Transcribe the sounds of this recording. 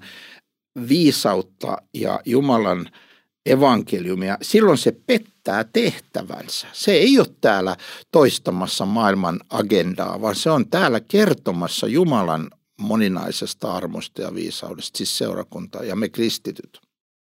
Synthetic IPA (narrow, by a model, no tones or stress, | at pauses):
ʋiːsɑut̪ːɑ̰jɑ̰jumɑlɑn | eʋɑŋkeljumiɑsilːonsepet̪ːæːt̪eht̪æ̰ʋæ̰nsæ̥seeiot̪t̪æːlæt̪oist̪ɑmɑsːɑmɑːilmɑnɑɡend̥ɑ̰ːʋɑnseont̪æːlækert̪omɑsːɑ̰jumɑlɑ̰n | moninɑ̰isest̪ɑɑrmo̰st̪ɑjɑ̰ʋḭːsɑ̰udest̪sissḛurɑ̰kunt̪ɑ̰ːjɑmekrist̪it̪yt̪